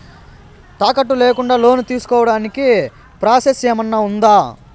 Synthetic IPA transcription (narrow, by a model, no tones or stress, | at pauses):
t̪aːkɐʈ̬ːuleːkuɳɖaːlo̞ːnut̪iːsu̥kɔːʋɐɽaːniki | pɾaːseseːmɐnːaund̪aː